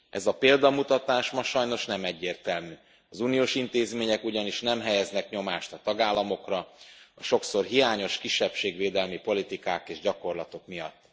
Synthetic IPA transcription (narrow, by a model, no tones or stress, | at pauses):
ʔɛzɒpeːld̪ɒmut̪ɒt̪aːʃmɒʃɒjno̞ʃnɛmɛɟːeːrt̪ɛlmyː | ɒzuːnijoːʃint̪eːzmeːɲɛkuɟɒniʃnɛmɦɛjɛznɛkɲo̞maːʃt̪ɒt̪ɒɡaːlːɒmo̞krɒɒʃo̞kso̞rɦijaːɲo̞ʃkiʃːɛpʃeːɡveːd̪ɛlmipo̞lit̪ikaːkeːʒɟɒko̞rlɒt̪o̞kmijɒ̰t̪ː